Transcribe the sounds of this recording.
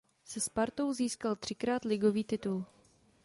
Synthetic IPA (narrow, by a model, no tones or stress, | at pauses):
sɛspaɾt̪o̞wziːskalt̪r̥ɪkɾaːt̪lɪɡo̞viːt̪ɪt̪ul